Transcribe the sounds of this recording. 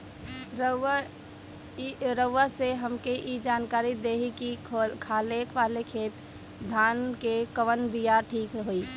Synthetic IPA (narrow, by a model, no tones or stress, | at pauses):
ɾ | ɾəʋːaseɦəmkeʔid͡ʒaːnkaːɾid̪eːɦikikʰaːlekʰʋaːlekʰeːt̪ | d̪ʱaːnkekəʋənbijaʈʰiːkɾəɦoi